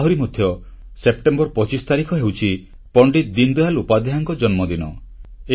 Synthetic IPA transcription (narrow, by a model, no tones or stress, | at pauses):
ɦuɾimɔd̪ʰʱjɔ | sep̚ʈembɔɾpɔt͡ʃist̪aɾikʰɔɦewt͡ʃʰi | pɔɳɖit̪̚d̪ind̪ualupad̪ʱjaŋkɔd͡ʒɔnmɔd̪inɔ | e